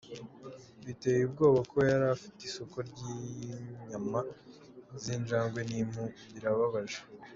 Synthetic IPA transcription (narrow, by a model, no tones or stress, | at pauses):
βite̞jib̚ɡo̞ːβako̞jaɾafi̥teiso̞ko̞ɾɟiɲama | zind͡ʒaːŋɡwe̞nim̥huβiɾaβaβaʒe